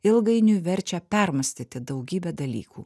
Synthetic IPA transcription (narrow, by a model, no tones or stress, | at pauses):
ɪlˠɡɐɪnʲuːʋʲɛɾʲt͡ʃʲɛpʲɛɾmɐsʲt̪ʲiːt̪ʲɪd̪ɐʊɡʲiːbʲɛːd̪ɐlʲḭːkʰuː